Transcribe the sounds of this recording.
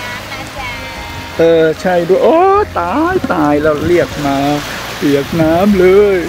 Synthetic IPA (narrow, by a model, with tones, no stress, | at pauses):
ʔɤː˧˩t͡ɕʰa˥˩jduː˧ʔoː˥˩t̪aː˧jt̪aː˧jlɛː˧˩wli˥˩ək̚maː˧ | pi˨˩˦ək̚naː˦˥mlɤː˧˥j